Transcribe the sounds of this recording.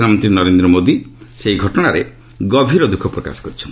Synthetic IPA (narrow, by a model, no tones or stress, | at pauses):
amɔnt̪ɾinɔɾend̪ɾɔmod̪iseɦiɡʱɔʈɔɽ̃aɾe | ɡɔbʱiɾɔd̪ukʰɔpɾɔka̰sɔ̥kɔɾit͡ʃʰɔ̥n